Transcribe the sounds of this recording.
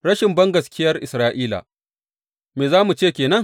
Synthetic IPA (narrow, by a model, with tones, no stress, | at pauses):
ɾɐ˦ʃɪ˨mbɐ˦ŋɡɐ˨skʲɪ˦jɐ˦rʔɪ̰˨sɾaː˦ʔiː˦la̰ː˨ | meː˨zaː˦mu˨t͡ʃeː˦˨kʲeː˨nɐ˦ŋ